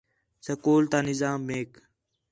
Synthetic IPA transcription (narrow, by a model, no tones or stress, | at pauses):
səkoːlt̪aːnɪzaːmːeːk